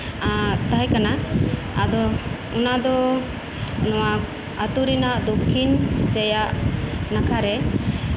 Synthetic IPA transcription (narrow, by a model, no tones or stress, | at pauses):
t̪aɦɛkana | ad̪ɔ | unad̪ɔ | nɔwa | at̪uɾinaʔd̪ukʰːinsɛjaʔnakʰaɾɛ